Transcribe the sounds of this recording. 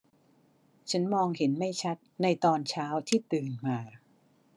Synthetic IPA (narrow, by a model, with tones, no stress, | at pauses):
t͡ɕʰa˦˥nmɔː˧ŋhe˩˦nma˥˩jt͡ɕʰa˦˥t̪̚na˧jt̪ɔː˧nt͡ɕʰaː˦˥wt̪ʰiː˥˩t̪ɯː˨˩nmaː˧